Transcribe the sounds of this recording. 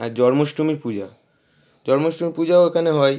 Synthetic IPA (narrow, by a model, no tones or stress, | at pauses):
ad͡ʑɔɾmoʃʈɾumiɾpud͡ʑa | d͡ʑɔɾmoʃtɾumiɾpud͡ʑaoekʰaneɦɔe